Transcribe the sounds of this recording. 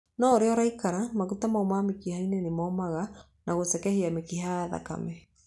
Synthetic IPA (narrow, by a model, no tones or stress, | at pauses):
nɔoɾeɔɾaikaɾamaɣutamaomamekihainenemɔːmaɣa | naɣosɛkɛheamekihaaða̰ka̰mɛ